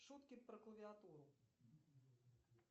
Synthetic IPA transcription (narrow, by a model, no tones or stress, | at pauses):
ʂut̪kʲipɾɐklˠɐʋʲiat̪uɾʊ